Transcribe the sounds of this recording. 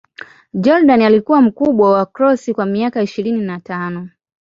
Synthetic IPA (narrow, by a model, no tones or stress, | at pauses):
d͡ʒɔɾdanalikuwam̩kuɓwawakɾɔsikwamiakaiʃiɾininatanɔ